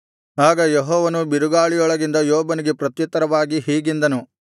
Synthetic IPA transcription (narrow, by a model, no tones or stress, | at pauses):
aːɡɐjeɦɔːʋɐnubiɾuɡaːɭijɔɭɐɡind̪ɐjoːbɐniɡe̞pɾɐt̪jɐt̪ːɐɾɐʋaːɡiɦiːɡind̪ɐnu